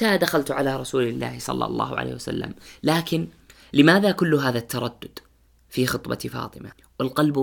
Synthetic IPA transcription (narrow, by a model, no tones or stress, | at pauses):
ad̪axalt̪ʕalaɾˤɑsuːlɪlːa̰ːhsˤɑ̰lːɑ̰lˤːɑ̰ːhʊ̰ʕa̰ḛːhwasa̰lːa̰mlaːkɪn | lɪmaːðakʊlːʊɦaːðat̪ʰːɑɾˤɑd̪ːʊd̪ | fixɨt̪ˤbɑ̰fɑ̰ːt̪ˤɨma | wɪlqɑlb